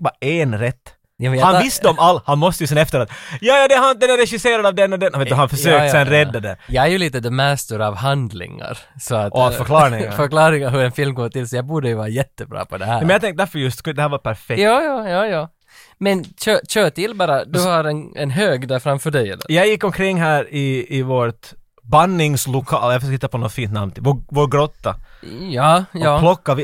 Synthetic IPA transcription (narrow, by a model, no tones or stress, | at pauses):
bɑenɾɛt̪ː | jɑːmɛjahanvɪsːd̪ɔmalːhanmɔst̪əjʉsɛnɛft̪əɾat̪jɑːjɑːd̪ɛhand̪ɛnɛɾɛɧɪseːɾad̪ɑvd̪ɛnːɔd̪ɛnveːt̪ːɦanfœʂøːk̪ːsɛnɾɛd̪ːad̪ɛ̰ɾjɑɡæɾjʉliːt̪əd̪ɛmæːst̪uɾɑvɦand̪lɪ̰ŋa̰ɾsɔat̪ɔfœɾkʰlɑːɪŋfœɾklɑːɾɪŋaɾɦʉɾɛnfɪlmɡoːʈ̪ɪlsɔjɑɡbuːɖəjʉvɑːɾajɛt̪ːəbɾɑ̰ːpʰɔd̪ɛhæːɾɛmɛnjat̪ʰɛŋkt̪əd̪æɾfœɾjɵst̪kʰnd̪ɛhæːɾvapʰæɾfɛjɑːjɑːjɑːjɑː | mɛnɕøːɕøːʈɪlbɑːɾad̪ʉhaɾɛnɛnɦøːɡd̪æɾfɾamfœːɖɛjɛjɑɡjɪkːɔmkʰɾɪŋːɦæːɾɪːvot̪ | banːɪŋslʊkʰɑ̰ːljafœsøkhɪt̪ːapʰɔnɔt̪fiːnt̪na̰vnʰɪvovoːɾɡɾot̪ːajɑːɑːplɔkːaɪ